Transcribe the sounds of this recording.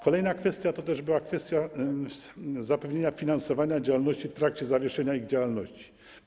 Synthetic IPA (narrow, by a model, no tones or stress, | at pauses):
kɔlɛjnakfɛst̪ʲjat̪ɔt̪ɛʐbɘwakfɛst̪ʲja | zapɛvɲeɲafʲinansɔvaɲad͡ʑawalnɔɕt͡ɕift̪ɾak̚t͡ɕɛzavʲjɛʂɛɲaiɣd͡ʑawalnɔɕt͡ɕi̥